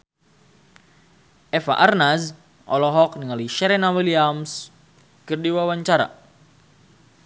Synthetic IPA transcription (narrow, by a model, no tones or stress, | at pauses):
ɛfa̰ʔarnaz | ʔɔlɔɦɔkniŋaliʃɛɾɛnawiliams | kɨrdiwawaɲt͡ʃaɾa̰